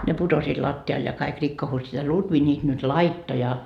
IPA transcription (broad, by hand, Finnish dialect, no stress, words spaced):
ne putosiːt lɑtːiɑl jɑ kɑik rikːohusːiːt ɑ lutʋi niːt nyt lɑitːo jɑ